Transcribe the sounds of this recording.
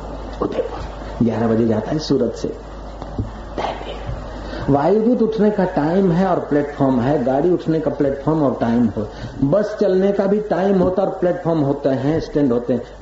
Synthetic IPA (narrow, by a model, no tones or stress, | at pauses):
ʊd̪ep | ɡjaːɾabɐd͡ʒed͡ʒaːt̪aɦɛsuːɾət̪sḛ | t̪ɛːpe | ʋaːjud̪uːt̪ʊʈʰnekaʈaːɪmɦɛɔːɾplɛːʈpʰɔːɾmɦɛɡaːɽiʊʈʰnekaplɛːʈpʰɔːɾmɔːɾʈaːɪmɦobəst͡ʃɐlnekabʱiʈaːɪmɦoːt̪aɔːɾplɛːʈpʰɔːɾmɦoːt̪eɦɛ̃ɪsʈẽːɳɖɦoːt̪eɦɛ̃